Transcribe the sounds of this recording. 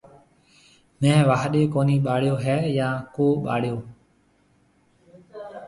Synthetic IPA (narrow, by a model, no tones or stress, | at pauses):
mɛ̃ːʋaːɦɗeːkoːniːɓaːɽjoːɦɛːjãːkoːɓa̰ːɽɪjoː